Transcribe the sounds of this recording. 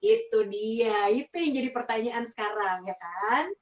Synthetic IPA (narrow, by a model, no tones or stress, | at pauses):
it̪udiait̪ujaŋd͡ʒadipərt̪aɲaʔansə̥kaɾaŋjakan